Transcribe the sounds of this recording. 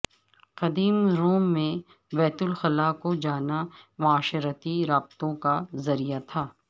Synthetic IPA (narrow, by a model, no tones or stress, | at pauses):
qɐd̪iːmɾoːmːẽ | bɛːt̪ʊlxɐlaːkod͡ʒaːnamʊaːʃəɾət̪iɾaːb̚t̪õkazɐɾijat̪ʰaː